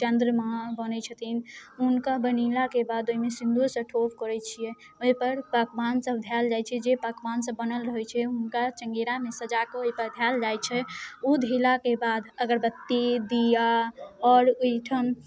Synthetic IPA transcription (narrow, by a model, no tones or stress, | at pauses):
t͡ʃənd̪ɾəmabənɛt͡ʃʰət̪ʰinɦunkabənilakebad̪oimesind̪ʱusə̃ʈʰopkəɾɛt͡ʃʰijɛ | oɦipəɾpəkbansəb̚d̪ʱjald͡ʒajt͡ʃʰɛd͡ʒebəkbansəbːənəlɾəɦɛt͡ʃʰɛɦunkat͡ʃəŋɡiɾamesəd͡ʒakeoɦipəɾd̪ʱjald͡ʒajt͡ʃʰɛud̪ʱilakebad̪əɡəɾbət̪ːid̪ijaɔɾoiʈʰəm